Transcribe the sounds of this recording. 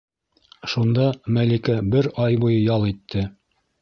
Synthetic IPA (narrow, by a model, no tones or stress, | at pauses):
ʃund̪ɑmælikæbɘɾɑjbujɤjɑlˠit̪ʰːɘ